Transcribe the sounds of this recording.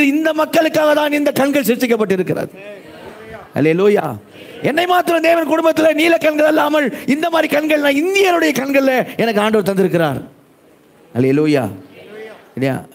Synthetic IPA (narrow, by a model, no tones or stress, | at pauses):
ɪnd̪ɐmɐkːɐɭɯkːaːɣɐt̪aːnɪnd̪ɐkɐɳɡɐɭsɪɾsːɪkːɐp̬ːɐʈ̬ːɪɾɯkːɪɾɐ̰ðɯ | hɐ̰leːluːja̰ː | ɛnːɐɪmaːɾt̪ːɯɾɐmd̪eːʋɐnkʊɽʊmbɐt̪ːɪleniːlɐkːɐɳɡɐɭɛlːaːmɐɭɪnd̪ɐmaːd̪ɾikɐɳɡɐɭnãːɪnd̪ɪjɐɾɯɽɐjɐkɐɳɡɐɭɪleɛnɐkːɯaːɳɖɐʋɐɾt̪ɐnd̪ɪɾɯk̬ːɪɾa̰ːɾ | hɐleːluːja̰ː | lɪja̰ː